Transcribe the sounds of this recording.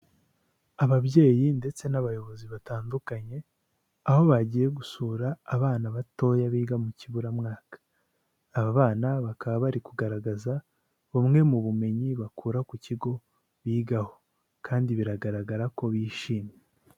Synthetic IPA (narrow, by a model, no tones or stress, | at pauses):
aβaβje̞ːjinde̞t͡se̞naβajo̞βo̞ziβataːndukaɲe̞ | aho̞βaɟiːje̞ɡusuɾaːβaːnaβato̞ːjaβiːɡamuciβuɾamŋaːkḁː | βaβaːnaβakaβaβaɾikuɡaɾaɡaza | βomŋe̞muβume̞ɲiβakuːɾakuciɡo̞ | βiːɡaho̞ | kʰaːndiβiɾaɡaɾaɡaɾako̞βiːʃiːmɲe